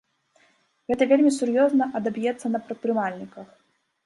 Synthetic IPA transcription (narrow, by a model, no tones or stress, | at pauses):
ɣɛt̪ɐvʲelʲmʲisʲurjɔznɐʔɐd̪ɐbjɛt̪sːɐnɐpɾɐt̪̚pɾɨmalʲnʲikɐx